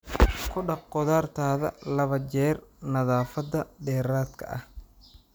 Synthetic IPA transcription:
kʰʊɖɑqqɔðaːrt̪ʰaːðɐ̰lɐβɐt͡ʃɛːrnɐðaːfɐd̪ɐɖɛːɾaːd̪kʰɐ̰ʔɐh

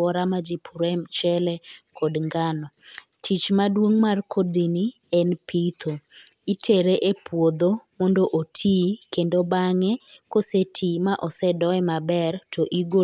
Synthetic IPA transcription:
ɔɾamad͡ʒipʰuɾɛmt͡ʃɛlɛkʰɔdŋɡanɔ | tʰit͡ʃmadwoŋmarkʰodini | ɛnpʰit̪ʰo | itʰeɾeʔepwod̪omɔndoʔotʰikendobaŋɛkosetʰimaʔɔsɛdɔɛmabɛrtʰoʔiɡo

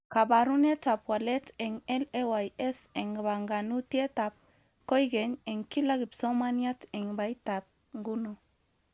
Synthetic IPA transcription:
kabaɾunetapwaleteŋelewajeseŋɡβaŋɡanut̪iet̪ap̚ | kojɡeɲeŋkilaɣipsomaniateŋbajt̪ap̚ | ŋɡuno

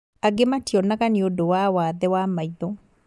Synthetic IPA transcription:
aɡɪmatjɔnakanɪodowawad̪ɛwamajd̪o

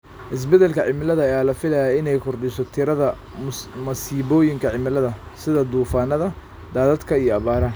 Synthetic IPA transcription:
ʔɪs̬bɛd̪ɛlkʰɐʕɪmɪlɐðɐːjaːlɐfɪlɐjaːɪnɛjkʰʊrd̪ɪsɔt̪ʰɪɾɐðɐ | mɐsiːβɔːjɪŋkʰɐʕɪmɪlɐðɐ | sɪðɐd̪uːfaːnɐðɐ | d̪aːðɐd̪kʰɐijɔɐβaːɾɐ

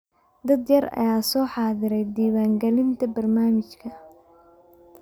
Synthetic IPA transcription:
d̪ɐd̪jɐrɐ̰jaːsɔːħɑːðɪɾɛjd̪iːwaːŋɡɛlɪnt̪ʰɐbɐrnaːmɪt͡ʃkʰɐ

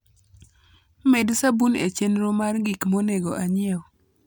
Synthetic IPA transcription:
medsabunḛt͡ʃenɾomarɡikmoneɡɔʔaɲɪɛ

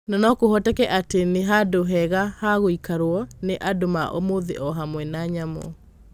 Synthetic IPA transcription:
nɔnɔkohɔtɛkɛʔateneɦadoɦɛɣahaɣoikaɾwɔneʔadomaʔo̰moðḛʔɔɦamwɛnaɲamɔ̰

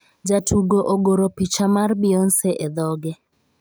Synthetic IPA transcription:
d͡ʒatʰuɡoʔoɡoɾopit͡ʃamarbɪɔnsɛʔɛd̪ɔɡɛ

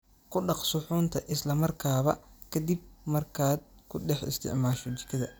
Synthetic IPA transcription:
kʰʊɖɑqsʊħuːnt̪ʰɐʔɪslɐmɐrkʰaːβɐkʰɐd̪ib̚mɐrkʰaːd̪̚kʰʊɖɛħɪ̰st̪ʰɪ̰ʕmaːʃɔt͡ʃɪ̥kʰɐðɐ

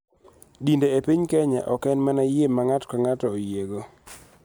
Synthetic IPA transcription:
dindeepiɲkɛɲa̰ʔɔkɛnmanajemaŋatkaŋatɔojeɡo

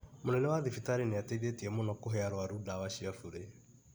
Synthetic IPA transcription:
monɛnɛwaðifitaɾeneateiðetiɛmonɔkoɦɛaɾoaɾudawaʃiafuɾe

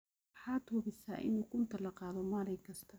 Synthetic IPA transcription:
wħɑːd̪wɔβɪsa̰ːʔɪ̰nuːkʰʊnt̪ʰɐlɐqɑːðɔmaːɾɛjkʰɐst̪ʰɐ

